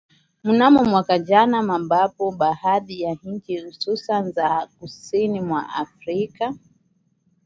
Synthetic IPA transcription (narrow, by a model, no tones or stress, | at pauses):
munamɔmwakad͡ʒanamambapɔɓahaɗijaɲ̩t͡ʃihususanzakusinimwa̰ʔa̰fɾika